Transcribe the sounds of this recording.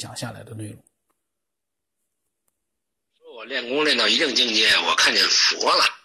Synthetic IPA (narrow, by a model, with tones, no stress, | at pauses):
jɑ̰˨˩ŋɕja˥˩la˧˥ɪd̪ə˧nwe˥˩ɪlʊ˩˦˩ | ɔ˥wɔ˨˩ljɛ˥˩nkʊ˥ŋljɛ˥˧nt̪ɑ˥˩ʊi˧˥ʈ͡ʂə˥˧ŋt͡ɕi˥˧ŋt͡ɕɛ˥˩nwɔ˨˩kʰa˥˧nt͡ɕjɛ̰˨˩nfɔ̰˧˥lə̰˨